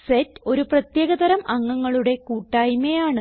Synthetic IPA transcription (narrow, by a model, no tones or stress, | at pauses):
setːo̞ɾuprɐt̪jeːɣɐd̪ɐɾɐmɐŋːɐŋːɐɭuɽe̞kuːʈːaːjmejaːɳɨ